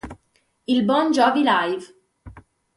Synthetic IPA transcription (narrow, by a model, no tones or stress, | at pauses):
ilbɔnd͡ʒɔvilajv